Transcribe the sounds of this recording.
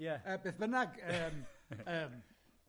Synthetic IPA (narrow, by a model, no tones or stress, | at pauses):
jɛəbeːθbənaɡəːməːm